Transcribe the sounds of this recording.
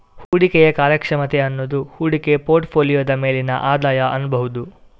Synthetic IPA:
huːɽikɛjɐkaːɾjɐkʂɐmɐt̪e̞ɐnːoːd̪uhuːɽike̞po̞ːɾʈpʰoːlijoːd̪ɐme̞ːlinɐ̰ʔaːd̪aːjɐʔɐnːubɐɦud̪u

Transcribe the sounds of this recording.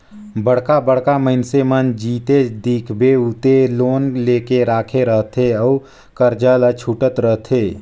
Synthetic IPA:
bəɽkabəɽ̤kaməɦɪnsemənd͡ʒiːt̪ed̪iːkʰbʱeʊt̪eloːnleːkeɾaːkʰeɾəɦt̪ʰeɔː | kəɾd͡ʒəːlat͡ʃʰuʈət̪ɾəɦt̪ʰeː

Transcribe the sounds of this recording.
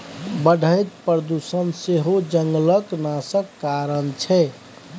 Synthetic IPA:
bəɖʱəjt̪pɾəd̪usənseɦod͡ʒəŋɡləknasəkːaɾənt͡ʃʰɛ

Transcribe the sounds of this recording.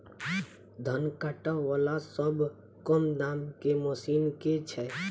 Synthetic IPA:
d̪ʱənkaʈaʋəlasəb | kɔmd̪aːmkemosiːnket͡ʃʰɛ

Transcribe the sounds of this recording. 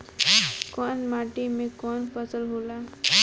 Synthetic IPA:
kɔnmaːʈimẽkɔnpəsəlɦoːlaː

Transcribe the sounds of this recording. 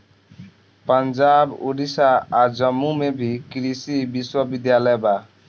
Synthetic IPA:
pənd͡ʒabṵɾisaːɾd͡ʒəmːumebʱikɾisibiswəbid̪jalɛjba

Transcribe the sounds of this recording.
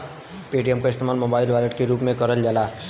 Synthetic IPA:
peːɖijəmkoɪst̪emaːlmobaːɪlʋaləʈkeɾuːpmẽkəɾəld͡ʒala

